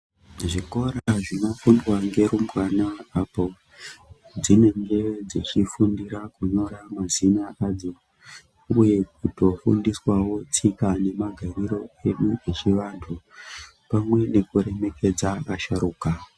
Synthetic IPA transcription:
ʐiko̞ɾaʐino̞fundwaŋɡe̞ɾumwanaːpo̞ | d͡zine̞ŋɡe̞d͡zit͡ʃifundiɾakuno̞ɾamazinaʔad͡zo̞ | uje̞k̚uto̞fṵndiswawo̞t͡sikane̞maɡʱariɾo̞e̞ɗuet͡ʃiʋantʰu | pamwe̞ne̞kuɾe̞meke̞d͡zaaʃaɾuːka

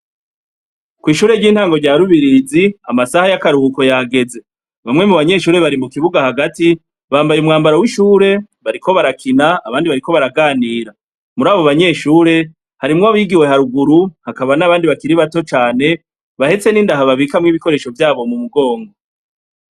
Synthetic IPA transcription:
kwiːʃuːɾe̞ɾɟiːn̥haːŋɡo̞ɾɟaɾuβiɾiːziamasahajakaɾuuko̞jaɡe̞ze̞ | βamŋe̞muβaɲe̞ʃuːɾe̞βaɾimukiβuɡahaɡati | βaːmbajumŋaːmbaɾawiʃuːɾe̞ | βaɾikʰo̞βaɾakʰinaːβaːndiβaɾiko̞βaɾaɡaːniːɾa | muɾaːβo̞βaɲe̞ʃuːɾe̞ | haɾimŋaβiːɡiwe̞ɦaɾuɡuɾuhakaβanaβaːndiβakiɾiβato̞t͡ʃaːne̞ | βahe̞t͡se̞niːndaɦaβaβikamŋiːβiko̞ɾe̞ːʃo̞vjaːβo̞mumuɡo̞ːŋɡo

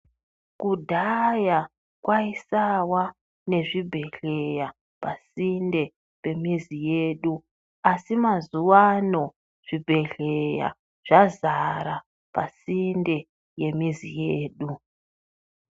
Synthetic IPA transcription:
kudʱaja | kwaisawa | ne̞ʐibʱe̞ɬe̞ja | pasinde̞ | pe̞mizijeːɗu | asimazuwano̞ | ʐ̥ibʱe̞ɬe̞ja̰ | ʐ̥azaɾa | pasinde̞ | je̞mizḭjeːɗu

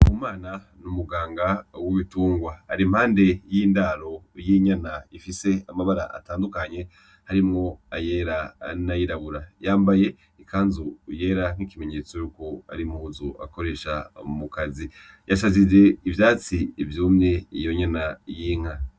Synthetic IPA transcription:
umaːna | numuɡaːŋɡawiβituːŋɡwaːɾim̥haːnde̞jiːndaɾo̞jiɲanaifise̞amaβaɾa̰ʔa̰taːndukaɲe̞ | haɾimŋo̞ajeːɾanajiɾaβuɾajaːmbaje̞ | ikʰaːnzuje̞ːɾaŋ̥ikime̞ɲe̞t͡so̞juːko̞a̰ɾimuːzuʔa̰ko̞ɾe̞ːʃa̰mukazi | jasazize̞ivjaːt͡siːvjuːmɲe̞ijo̞ɲanajiːŋ̥a

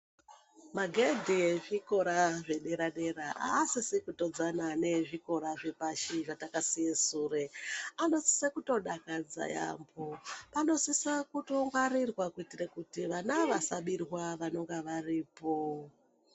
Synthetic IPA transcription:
maɡʱedʱieʐiko̞ɾaʐe̞ɗe̞ɾaɗe̞ɾaʔa̰ːsisekuto̞d͡zanane̞ʐiko̞ɾaʐe̞paʃiʐatakasijesureano̞si̥sekuto̞ɗakad͡za̰ja̰mbopano̞sisakuto̞ŋɡwaɾirwakuitirekutiʋanaʋasaɓirwaʋano̞ŋɡeʋariːpo̞

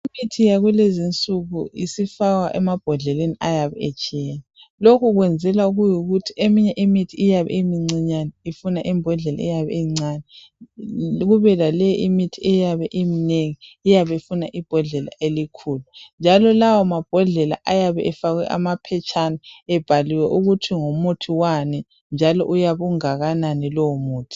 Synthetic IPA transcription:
imitʰijaɣwulezint͡sʼuɣuisifaɣaʔɛmab̥ʱɔɮɛleniajaβɛ̰et͡ʃʼijeːni | lokʰuɣwɛnd͡zʱɛlauɣujuɣutʰiʔemiɲɛʔimitʰiijaβɛ̰imiŋ͡ǀiɲanɛifunaʔimbʱɔɮɛla̰ijaβɛ̰iŋ͡ǀanɛ | ɣuβɛlalɛjʔimitʰiɛjaβɛʔimineŋiːjaβefunaʔib̥ʱɔɮɛla̰ʔelikʰuːlund͡ʒʱalɔlawɔmab̥ʱɔɮɛla̰ʔajaβɛʔɛfaɣwɛ̰ʔa̰mapʰɛt͡ʃʰʼanaɛb̥ʱaliwɛʔuɣutʰiŋomutʰiwanɛ | nd͡ʒʱalɔ̰ʔujaβuŋaɣananɛlɔmuːtʰi̥

